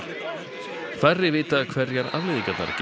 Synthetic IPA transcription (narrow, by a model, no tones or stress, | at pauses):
kfarːɪvɪːt̪akʰvɛɾjɛɾa̰ðlɪðɪkœt̪na̰ɾc